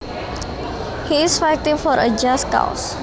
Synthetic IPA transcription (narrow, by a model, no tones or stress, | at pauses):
hiɪsfaɪk̚tĩŋfɔɾə̰d͡ʒaskã̰ʊs